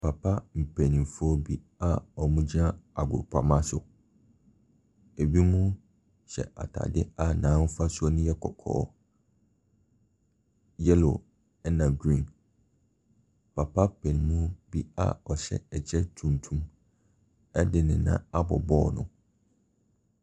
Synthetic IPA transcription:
pʰa˨pʰa˦m̩˨pʰɛ˨nĩ˨mfɔ˦bi˦ | a˨ɔ˨mũ˦d͡ʑi˦nã˦a˨ɡʊ̰˨pʰa˨mã˦sʊ˨ | e˨bi˦mũ˦ | ɕɛ̰˨ʔa̰˨tʰa̰˨dɪ̰˦a˨nãː˨˦n̩˦fa˦sʊ˦ɔ˦nʊ̃˦jɛ˦kʰɔ˨kʰɔ̰ː˦˨˦ | jɛ˦lo̰˨ | ɛ˦nã˨ɡɾĩ˦˨n | pʰa˨pʰa˦pʰɛ˨nĩ˨˦mũ˦bi˦a̰˨ɔ˨ɕɛ̰˦ɛ˨t͡ɕʰɛ˦tʰũ˨n˨tʰũ˦m | ɛ˦dɪ˨nɪ̃˨nã̰˨a˦bɔ˨bɔ˦˨nʊ̰̃˨

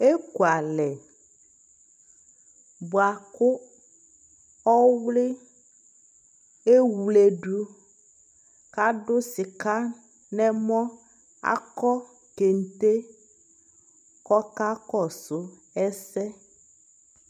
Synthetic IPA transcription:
e˦ku˨a˨lɛ˨ | bo˨a˨kʊ˦ | ɔ˦wlɪ˦ | e˦wu˨le˨ɖu˦ | ka˦ɖʊ˦si˨ka˦ | nɛ̃˦mɔ̃˦ | a̰˦kɔ˦ | ke˨n˨t̪e˦ | kɔ˦ka˦kɔ˦sʊ˦ | ɛ˦sɛ˦

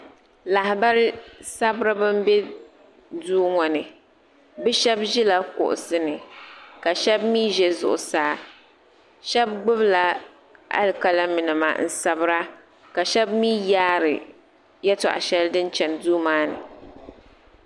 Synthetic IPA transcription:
la˨ha˨ba˦ɾɪ˦sa˦bɾɨ˦bɨ˦m˦bɛ˦ | duː˦ŋɔ˨nɨ˨ | bɨ˦ʃɛ˦bʒi˦la˦kʊ̰˨ʔʊ̰˨sɨ˦nɨ˨ka˨ʃɛ˦bmi˦ʒɛ˨zʊ̰˨ʔʊ̰˨saː˦ | ʃɛ˦b̚ɡ͡bʊ˦bla˨ | ʔa̰˦lka˨la˦mɪ˨nɨ˨ma̰˨n̩˦sa˨bɾa˦ | ka˨ʃɛ˦bmiː˦jaː˦ɾɨ˨ | jɛ˦tʊ̰˨ʔa̰˨ʃɛ˦ldɨ˦nt͡ʃɛ˨nduː˦maː˦nɨ̰˨

